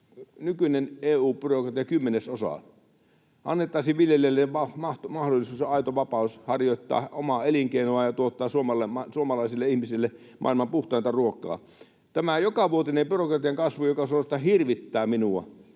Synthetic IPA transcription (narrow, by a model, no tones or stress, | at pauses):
nykyneneːuːpyrokrɑt̪ijɑkymːenesosɑ̰ | ʔɑ̰nːet̪ːˑɑˑisiʋʋiljelelːeʋɑmɑht̪mɑhdolːˑisuːsɑit̪oʋɑpɑˑushɑrjot̪ːɑ̰ːomɑeliŋkeinoɑjɑt̪uot̪ːɑːsuomɑlːˑemɑsuomɑlɑisilːeihmisilːe | mʔɑ̰ˑilmɑmpuht̪ˑɑˑint̪ɑruokˑɑ̰ː | t̪æmæjokɑʋuot̪inempyrokrɑt̪ijɑŋkɑsʋujokɑsuost̪ɑhirʋit̪ːæːminuɑ̰